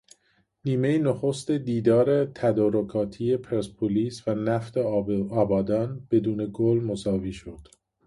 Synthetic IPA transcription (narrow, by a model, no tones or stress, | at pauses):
niːme̞jenoxost̪ed̪iːd̪ɒːɾet̪ʰæd̪ɒːɾokʰɒːt̪ʰie̞pʰeɾspʰoliːsvænæft̪eɒːbɒːd̪ɒːnb̥e̞d̪uːne̞ɡolmosɒːviːʃod̪̥